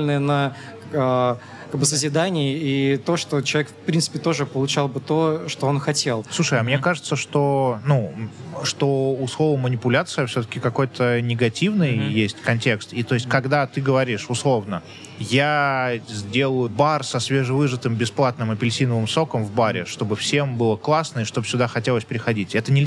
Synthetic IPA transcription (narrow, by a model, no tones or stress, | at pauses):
lʲɪnɨjənə | ə | kkaɡ̚bɨsəzʲɪd̪anʲɪɪit̪o̞ʂt̪ot͡ɕɪlˠɐvʲekfpɾʲint̪sɨpʲɪt̪o̞ʐɨpəlˠʊt͡ɕalˠbɨt̪oʂt̪oonxɐtʲe̞lˠsˠuʂəjɐmnʲe̞kaʐɨt̪səʂt̪o̞nuʂt̪o̞uslˠo̞vəmːənʲɪpʊlʲat̪sɨjəfsʲɵt̪̬ə̥kʲɪkɐko̞jt̪ʰənʲɪɡɐtʲivnɨjjesʲtʲkɐnʲtʲe̞kst̪it̪o̞ɪsʲt̚ʲkɐɡd̪at̪ɨɡəvɐɾʲiʂʊslˠo̞vnə | jazʲdʲe̞lˠʊjʊbarsɐsvʲeʐɨvɨʐɨt̪ɨmbʲɪsplˠat̪nɨmɨpʲɪlʲsʲinəvɨmso̞kəmvbaɾʲɪ̰ʂt̪o̞bɨfsʲe̞mbɨlˠəklˠasnəɪʂt̪o̞bsʲʊd̪axɐtʲelˠəsʲpɾʲɪxɐdʲitʲɛt̪ənʲɪlʲ